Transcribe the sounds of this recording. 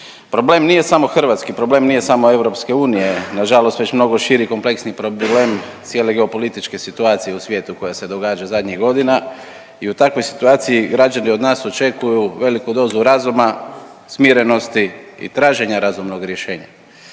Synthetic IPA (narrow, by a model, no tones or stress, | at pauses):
pɾo̞ble̞ːmnije̞samo̞xr̩ʋat̪skipɾo̞ble̞ːmnije̞samoe̞ʋɾo̞pske̞uːnije̞naʒalost̪ʋe̞t͡ɕmno̞ɡo̞ʃiɾiko̞mple̞ksnipɾoble̞ːmt̪sje̞le̞ɡe̞opo̞lit̪it͡ʃke̞sit̪uaːt̪sije̞usʋje̞ːt̪uko̞jase̞d̪o̞ɡaːd͡ʒazad̪ɲiɡo̞d̪ina | iut̪akʋojsi̥t̪uaːt̪sijiɡɾad͡ʒanio̞d̪naːso̞t͡ʃe̞kujuʋe̞likud̪o̞ːzuɾazuma | smiɾe̞no̞st̪iḭt̪ɾaːʒe̞ɲaɾazumno̞ɡɾje̞ʃe̞ːɲa